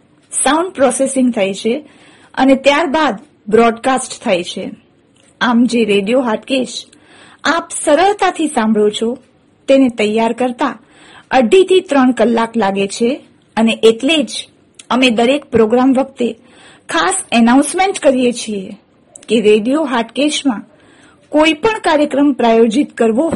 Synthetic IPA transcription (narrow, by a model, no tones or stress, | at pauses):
sauɳɖ̚pɾɔsesɪ̃ŋɡt̪ʰajt͡ʃʰe | ə̰net̪jaɾbad̪ | bɾɔɖkasʈt̪ʰajt͡ʃʰe | amd͡ʒeɾeɖijoɦaʈkeʃ | apsəɾəɭt̪at̪ʰisãmbʱɭot͡ʃʰo | t̪enet̪əjːaɾkəɾt̪a | əɖit̪ʰit̪ɾəɳkəlːaklaɡet͡ʃʰe | əneʔeʈled͡ʒ | əmed̪əɾek̚pɾoɡɾamʋək̚t̪e | kʰasənaũnsmeɳʈkəɾijet͡ʃʰie | keɾeɖijoɦaɾʈkeʃmã | koipəɳkaɾjəkɾəmpɾajod͡ʒit̪kəɾʋo